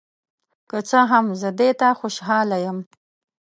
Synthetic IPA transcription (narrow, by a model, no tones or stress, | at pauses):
kət͡səɦamzəd̪et̪axoʃɦɑlajəm